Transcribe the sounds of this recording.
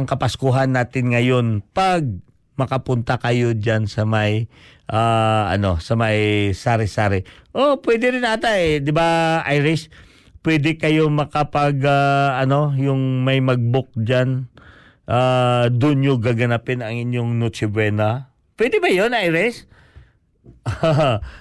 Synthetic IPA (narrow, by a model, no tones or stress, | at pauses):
ɐŋkɐpɐskuɦɐnːaːt̪ɪnŋɐjo̞npɐɡ̚ | mɐkɐpʊnt̪akɐjo̞d͡ʒansɐmajʔaːɐ̰no̞sɐmajsaːɾɪsaːɾɪʔopwɛd̪ɪɾɪnʔat̪ad̪ɪbaʔajɾɪs | pwɛd̪ɪkɐjo̞mɐkapɐɡaɐno̞jʊŋmɐjmɐɡ̚bok̚d͡ʒan | ʔad̪ʊnjoɡaɡɐnapɛnɐŋɪɲjoŋnut͡ʃɪbwɛːnɐ | pwɛd̪ɪbɐjonʔajɾɪs